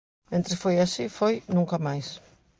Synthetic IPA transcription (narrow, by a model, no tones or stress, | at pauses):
mẽnt̪ɾesfojasifojnũŋkamajs